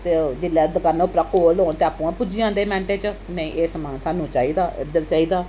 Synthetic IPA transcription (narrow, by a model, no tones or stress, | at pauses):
t̪eːd͡ʒɪlːaːd̪əkanoːpɾakoːloːnt̪eːaːpũãːpʊd͡ʒiːãːnd̪eːmɛ̃ːɳʈeːt͡ʃənəĩːʔeːsəmãːsaːnũːt͡ʃaːiːd̪aːʔɪ̰d̪əɾt͡ʃaːiːd̪aː